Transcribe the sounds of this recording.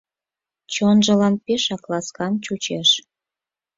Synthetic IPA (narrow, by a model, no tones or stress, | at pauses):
t͡ɕonʒə̆lɑnpeʃɑklɑskɑnt͡ɕut͡ɕeʃ